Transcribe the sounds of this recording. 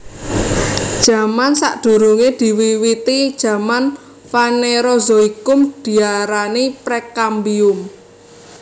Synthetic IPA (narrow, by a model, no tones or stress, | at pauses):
d̥ʒ̥a̤mansa̰ʔd̪̥ṳɾuŋed̪̥i̤wiwit̪id̥ʒ̥ä̤man | faneɾozoikʊmd̪̥i̤aɾanipɾekambiʊm